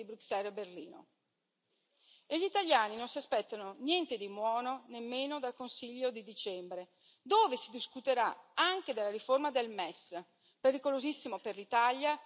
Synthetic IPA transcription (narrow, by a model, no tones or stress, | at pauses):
ibɾuksɛleberliːno̰ | eʎit̪aljaːninonsiaspɛt̪ːanonjɛnt̪ed̪imwɔːnonemːeːnod̪alkonsiʎːod̪id̪it͡ʃɛmbɾe | d̪oːvesid̪iskut̪eɾaaŋk̟ed̪elːaɾiformad̪elmɛs | peɾikolozisːimoperlit̪alja